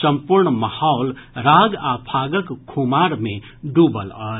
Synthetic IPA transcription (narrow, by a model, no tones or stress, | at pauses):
səmpuɾɳməhaʊlɾaɡapʰaɡəkkʰːumaɾmẽ | ɖubələ̰ɾ